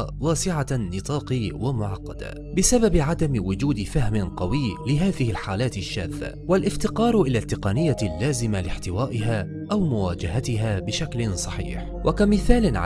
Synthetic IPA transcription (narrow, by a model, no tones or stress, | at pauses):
waːsɪʕanɨt̪ˤɑːqiːwamʊʕɑqːɑd̪a̰ | bɪsababɪʕad̪amwʊd͡ʒuːd̪ɪfahmɪnqɑwiːlɪɦaːðɪhɪlħaːlaːt̪ɪʃːa̰ːθːa̰walʔɪft̪ɪqɑːɾˤʔɪlaːt̪ːɪqɑnɪjːalːaːzɪmalɪħt̪ɪwaːʔɪɦaː | ʔawmʊwaːd͡ʒaɦat̪ɪɦaːbɪʃaklɪnsˤɑħḭːħ | wʔakamɪθaːlɪnʕ